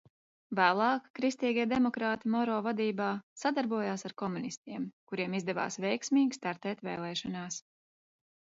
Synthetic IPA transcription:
væːlˠɑːkːɾist̪iːɡʲiɛd̪emɔkɾaːt̪imɔɾɔːvad̪iːbaːsad̪aɾbuɔjaːsaɾkɔmunist̪iɛmkuɾiɛmizd̪ɛva̰ːsvɛjksmiːɡʲi̥st̪aɾt̪ɛːt̪vɛ̰ːlˠɛːʃɔnaːs

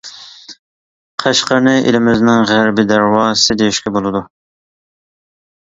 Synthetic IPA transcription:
qʰæʃqəɾnɨɪʔḛlɪmɪznɪŋʁæɾbɪd̪æɾwɑːɨ̥sɨd̪ejiʃkʲɛbolˠɨd̪u

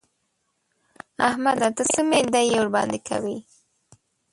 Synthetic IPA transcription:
ahmad̪at̪əsəmend̪ajwɾbɑ̰nd̪ekʰa̰wi

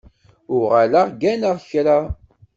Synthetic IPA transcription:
ʊʁalaʁɡænəʁçɾa

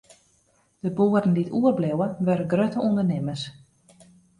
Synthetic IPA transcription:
d̥əboərdən̩dituərblewəʋørəɡrøtəundərnɪməs

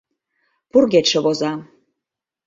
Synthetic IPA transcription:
purɡʲet̪ʃə̆βozɑ

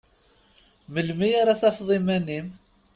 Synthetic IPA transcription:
məlmijaɾaθæfðˤimænim

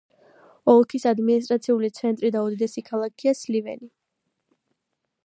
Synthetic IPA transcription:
ɔlˠkʰisad̪minis̬t̪ʼɾat̪sʰiulit̪sʰɛnt̪ʼɾid̪aud̪id̪ɛsikʰalˠakʰiaslivɛ̰ni

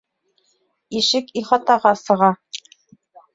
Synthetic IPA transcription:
iʃɘkiχɑt̪ɑʁɑsɤ̆ʁɑ

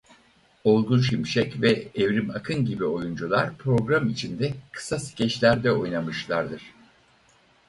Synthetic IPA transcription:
o̞lˠɡunʃimʃɛcvɛɛvɾimakʰɯnɟibio̞jund͡ʒulˠa̰ɾpʰɾo̞ɡɾamit͡ʃʰind̪ɛkʰɯ̥sasi̥cʰɛt͡ʃlʲæɾd̪ɛo̞jnamɯʃlˠaɾd̪ɯɾ̥

